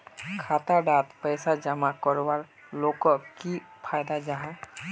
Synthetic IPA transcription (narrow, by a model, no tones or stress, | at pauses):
kʰat̪aɖat̪pəjsad͡ʒəmakɔɾwaɾ | lokɔkipʰajd̪ad͡ʒaɦã